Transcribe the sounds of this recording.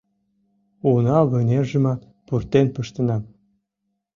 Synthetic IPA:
unɑβə̆nʲerʒə̆mɑ | purt̪enpəʃt̪ə̆nɑm

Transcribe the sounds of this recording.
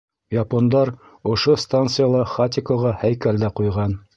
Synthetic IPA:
jɑpond̪ɑɾ | ŏʃost̪ant̪sɨjalˠɑχat̪ʲɪkoʁɑhæjkæld̪æqujʁɑn

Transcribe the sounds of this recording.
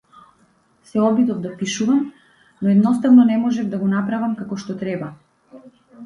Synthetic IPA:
sɛɔbid̪ɔvd̪apiʃuvam | nɔɛd̪nɔst̪avnɔnɛmɔʒɛvd̪aɡɔnapɾavamkakɔʃt̪ɔt̪ɾɛba

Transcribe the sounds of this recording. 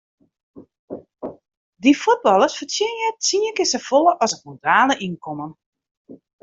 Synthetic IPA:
difud̚bɔlˠəsfəsɪnjɛt͡siəkɪsəfolˠəʔɔsətmontraːləʔinkʰɔmən

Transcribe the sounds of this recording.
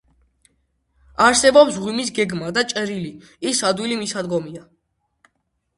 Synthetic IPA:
aɾsɛbɔpsʁwimis̬ɡɛɡmad̪at͡ʃʼɛɾili | isad̪wilimisad̪ɡɔmia

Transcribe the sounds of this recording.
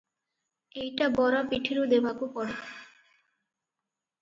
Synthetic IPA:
ejʈabɔɾapiʈʰiɾod̪ebʱakopɔɽe

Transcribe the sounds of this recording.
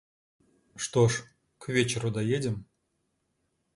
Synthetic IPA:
ʂt̪oʂ | kvʲet͡ɕeɾod̪ɑjedʲɘ̆m

